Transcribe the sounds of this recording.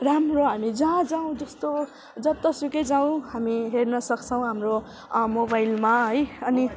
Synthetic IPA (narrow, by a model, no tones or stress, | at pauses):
ramroɦamid͡zãd͡zaw̃d͡zʌst̪o | d͡zʌb̚t̪ʌsuked͡zaw̃ɦamiɦernʌsʌkt͡sʰʌw̃ɦamro | mobajlmaɦʌjʌni